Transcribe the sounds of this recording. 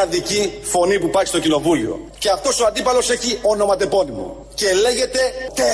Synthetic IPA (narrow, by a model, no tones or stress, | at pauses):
ɐðicifo̞nipupɐɾçist̪o̞cino̞vulio̞̰ | ce̞ɐft̪o̞soɐnd̪ipɐlo̞se̞çio̞no̞mɐt̪e̞po̞nimo̰ | ce̞le̞ʝe̞t̪e̞t̪e